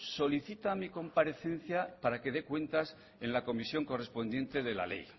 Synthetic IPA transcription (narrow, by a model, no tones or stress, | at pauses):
so̞liθit̪amiko̞mpaɾe̞θe̞n̟θjapaɾake̞ðe̞kwe̞nt̪as | e̞nlako̞misjo̞ŋko̞re̞spo̞nd̪je̞nt̪e̞ð̞e̞la̰le̞̰j